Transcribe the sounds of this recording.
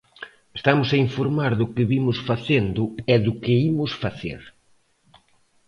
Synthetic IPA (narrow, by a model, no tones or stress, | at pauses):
est̪amʊsaiɱfoɾmaɾðʊkɪβimʊsfaθend̪ʊɛðʊkɪimʊsfaθḛɾ